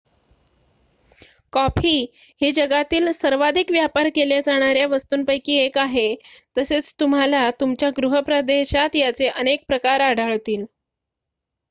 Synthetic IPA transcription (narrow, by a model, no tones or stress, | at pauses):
kɔpʰiː | hid͡ʑəɡat̪iːlsəɾʋad̪ʱikʋjapaɾkeljad͡zaɽ̃aɾjaʋəst̪uːnpəjkiːekaɦet̪əset͡st̪um̤alat̪umt͡ɕjaɡɾuɦəpɾəd̪eɕat̪jat͡seʔənek̚pɾəkaɾaɽ̤ʱəɭt̪iːl